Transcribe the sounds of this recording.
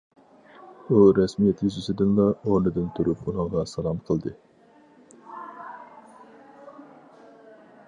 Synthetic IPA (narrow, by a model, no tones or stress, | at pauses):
uɾɛsmijet̪ʰʲd͡ʒɪsɪd̪ɪnlˠɑoɾnɨd̪ɨnt̪ʰuɾupunɨɴʁɑsɑlˠɑmqʰəlˠd̪ɨ